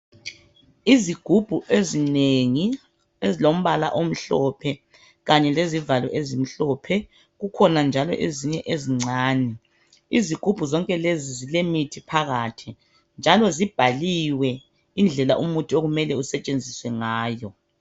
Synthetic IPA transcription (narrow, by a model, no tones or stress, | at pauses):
iziɡ̥ʱub̥ʱuʔezineŋi | ezilom̩βala̰ʔom̩ɬɔpʰɛ | ɣaɲɛlezivalwɛ̰ʔezim̩ɬɔpʰɛ | ɣukʰɔnand͡ʒʱalɔ̰ʔeziɲɛʔeziŋ͡ǀaːnɛ | iziɡ̥ʱub̥ʱuzɔŋkʼɛlezizilemitʰipʰaɣaːtʰi | nd͡ʒʱalɔzib̥ʱaliwɛ | ind͡ɮʱɛla̰ʔumutʼuoɣumɛlɛusɛt͡ʃʼend͡zʱiswɛŋaːjɔ